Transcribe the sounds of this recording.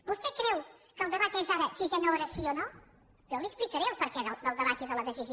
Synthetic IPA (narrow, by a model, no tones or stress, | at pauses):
bust̪ɛkɾɛwkəlˠd̪əβat̪iɛzaɾəsiʒanoeɾəsiono | joliəsplikəɾɛwpəɾkɛðəlˠd̪əlˠd̪əβat̪iðələðəziʒi